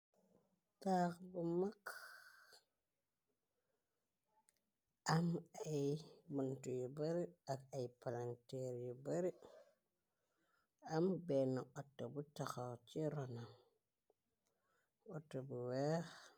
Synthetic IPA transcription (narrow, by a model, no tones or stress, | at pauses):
takbumak | ʔamajbuntujibaɾiakajpalanteɾjibaɾi | ambenaotːobutaxat͡ʃiɾona | otːobuwex